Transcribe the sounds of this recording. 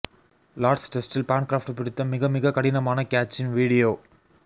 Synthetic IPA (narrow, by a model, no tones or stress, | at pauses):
laːɖsʈɛsʈɪlpaːnkɾaːfʈpɪɽɪt̪ːɐmɪɣɐmɪɣɐkɐɽɪnɐmaːnɐkaːt͡ʃːɪnʋiːɽɪjoː